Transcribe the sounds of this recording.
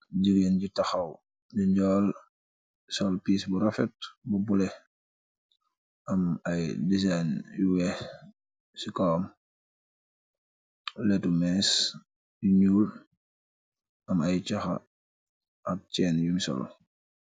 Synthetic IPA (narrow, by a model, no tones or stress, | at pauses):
ɟiɡenɟitɐxɐw | diɲɟɔːl | sɔlpiːsbuɾɐfɛt̚bɐbulɛ | ʔɐmɐjdizajnjuwɛh | sikɔːm | lɛtumɛːs | jiɲuːl | ʔɐmɐjt͡ʃɐxɐ̰ | ʔɐk̚t͡ʃɛːnjumsɔ̰l